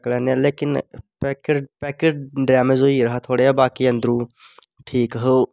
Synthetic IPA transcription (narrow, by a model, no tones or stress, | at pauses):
kleːneleːkɪnpɛkɖpɛːkeɖɖɾaːmezoːiɾɐɦat̪ʰoːɽeabaːkiɐ̃nd̪ɾuː | ʈʰiːkɦə